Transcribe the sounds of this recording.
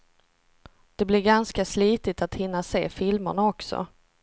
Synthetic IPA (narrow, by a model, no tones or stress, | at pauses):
d̪̥ɛblɪɾɡanskasliːt̪ɪt̪at̪hɪnːaseːfɪlmə̰ɳaɔksɔ̰